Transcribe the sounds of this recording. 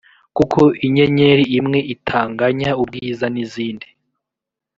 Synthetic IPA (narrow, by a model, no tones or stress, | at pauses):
kukʰoiɲe̞ɲeɾiimŋe̞ʔitʰaːŋɡaɲaub̚ɡiːzaniziːndi